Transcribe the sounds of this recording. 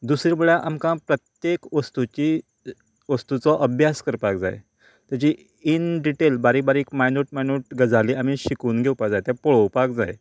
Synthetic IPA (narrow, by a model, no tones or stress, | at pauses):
d̪usɾibəɭjãʔamkãpɾət̪jekʋəst̪ut͡ɕi | ʋəst̪ut͡sɔʔəbʱjaskəɾpak̚d͡za̰j̰ | t̪jat͡ɕi | inɖiʈelbaɾibaɾiːkmajnuʈmajnuʈ̚ɡəd͡zaliːam̤iɕikuːnɡʱewpakd͡zajt̪ãpɔɭəwpakd͡zaj